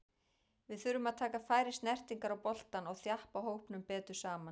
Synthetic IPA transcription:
vɪðθʏɾʏmaðt̪ʰaːkafaːjɾɪst̪nɛr̥t̪iŋkaɾawpɔl̥t̪anɔɣθjahpaɦowhpnʏmpɛːt̪ʏɾ̥saːman

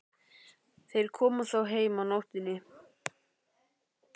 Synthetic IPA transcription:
θejɾ̥kʰɔːmʏθawɦeːjmawnowht̪ɪnːɪ

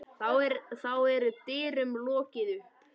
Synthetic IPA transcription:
θawɛɾθawɛɾt̪ɪːɾʏmlɔːcɪðʏ

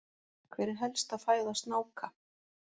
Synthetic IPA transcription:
kʰvɛːɾɪɾɦɛlst̪aðfaːjðast̪naːwkʰa

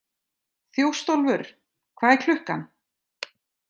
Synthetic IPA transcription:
θjowst̪owlvʏɾ̥ | kʰvaːðɛkʰl̥ʏhkan

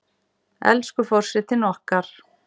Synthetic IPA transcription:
ɛ̰lskʏfɔr̥sɛt̪ɪnɔhkaɾ̥

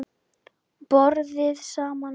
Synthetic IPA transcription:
pɔɾðɪðsaːman

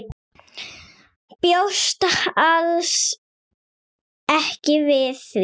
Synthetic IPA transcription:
pjowst̪aals | ɛhcɪvɪθv

